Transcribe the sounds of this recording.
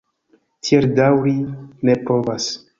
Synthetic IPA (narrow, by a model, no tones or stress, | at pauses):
tieɾdawɾinepɾovas